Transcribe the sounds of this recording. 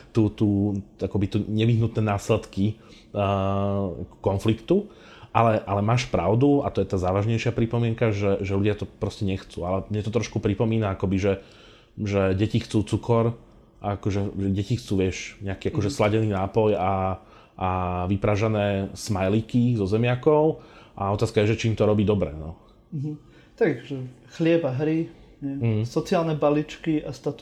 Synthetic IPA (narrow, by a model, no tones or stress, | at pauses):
t̪uːt̪uːakɔbit̪uːɲɛʋiɦnut̪nɛːnaːslɛt̪ki | kɔnflikt̪u | ʔalɛʔalɛmaːʃpɾaʊd̪uat̪ɔjɛt̪aːzaːʋaʒɲɛjʃɪapɾipɔmɪɛŋkaʒɛʒɛʎuɟɪat̪ɔpɾɔscɛɲɛxt͡suːalɛmɲɛt̪ɔt̪ɾɔʃkupɾipɔmiːnaakɔbiʒɛ | ʒɛɟɛcixt͡suːt͡sukɔɾ | aakɔʒɛʒɛɟɛcixt͡suːʋɪɛʃɲɛakiːakɔʒɛslaɟɛniːnaːpɔja | ʔaʋipɾaʒanɛːsmajlikizɔzɛmɪakɔʊʔaɔt̪aːskajɛʒɛt͡ʃiːmt̪ɔɾɔbiːd̪ɔbɾɛ̰nɔ | ɦ̩ | t̪aɡʒɛxlɪɛbaɦɾi | ɲɛɦ̩sɔt͡siaːlnɛbalit͡ʃkiast̪at̪u